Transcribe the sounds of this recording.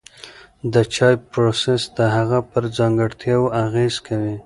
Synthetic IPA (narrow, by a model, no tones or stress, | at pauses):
d̪ət͡ʃɑjpɾosesd̪əɦaɣapəɾd͡zɑŋɡəɽt̪ʰjɑwaɣez̥kʰawi